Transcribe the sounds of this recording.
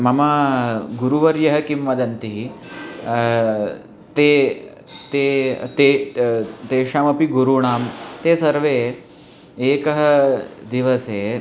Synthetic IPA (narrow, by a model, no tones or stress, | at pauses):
mɐmaɡuɾuʋɐɾjɐɦɐ̆kimʋɐd̪ɐnt̪iɦi | t̪e | t̪et̪e | t̪eʂaːmɐpiɡuɾuɳaːmt̪esɐɾʋe | eːkɐɦɐd̪iʋɐse